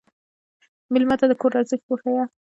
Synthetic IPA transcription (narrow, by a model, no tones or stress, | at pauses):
mɪlmat̪ad̪əkoɾɑɾzəx̚poxaja